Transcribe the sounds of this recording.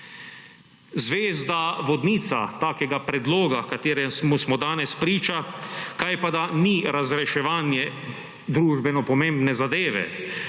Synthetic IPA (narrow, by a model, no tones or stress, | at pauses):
zʋeːzd̪aʋɔd̪niːt̪sa̰t̪aːkɛɡapɾɛd̪loːɡakat̪eːɾɛsmusmɔd̪aːnɛspɾiːt͡ʃakajpad̪aniɾazɾɛʃɛʋaːnjɛ | d̪ɾuːʒbɛnɔpɔmẽmbnɛzad̪eːʋɛ̰